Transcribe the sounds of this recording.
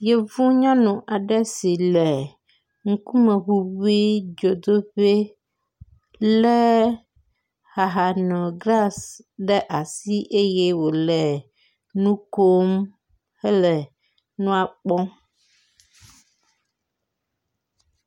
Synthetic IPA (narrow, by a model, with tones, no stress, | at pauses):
je˦vũ˦ɲã˦nũ˨ʔa˨ɖɛ˦si˨lɛ˨ | ŋ̩˦ku˦mẽ˨xu˦wi˦d͡ʒo˨d̪o˦ɸe˦ | lɛ˦ | ha˨ɦa˨nɔ̃˨ɡla˦s | ɖɛ˦ʔa˨si˦ʔe˦je˦wo˨lɛ˨ | nũ˦ko˦m | hɛ˦lɛ˨ | nũ˦a˨k͡pɔ̃˦